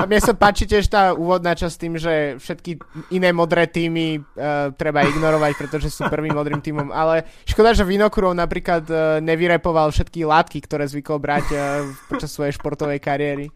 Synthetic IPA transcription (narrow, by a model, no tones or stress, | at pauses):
amɪɛsapaːt͡ʃicɛʃt̪aːuːʋɔd̪naːt͡ʃast̪iːmʒɛfʃɛt̪kiinɛːmɔd̪ɾɛːt̪iːmit̪ɾɛbaiɡnɔɾɔʋacpɾɛt̪ɔʒɛsuːpr̩ʋimːɔd̪ɾimt̪iːmɔmʔalɛʃkɔd̪aʒɛʋinɔkuɾɔʊnapɾiːklad̪ɲɛʋiɾɛpɔʋalfʃɛt̪kilaːt̪kikt̪ɔɾɛːzʋiklbɾacpɔt͡ʃasːʋɔjɛjʃpɔɾt̪ɔʋɛjkaɾɪɛɾi